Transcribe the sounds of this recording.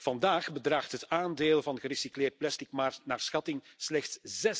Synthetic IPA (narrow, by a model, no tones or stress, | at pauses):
v̥ɑndaːxbədraːxtɦətaːndeːlˠvɑnɣəɾisikleːrt̚plɛstɪkmanaːrsxɑtɪŋslɛxtszɛ